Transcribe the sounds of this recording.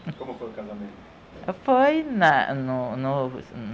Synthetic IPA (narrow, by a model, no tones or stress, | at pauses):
komʊfojukazamẽnt̪ | fojnanʊnʊ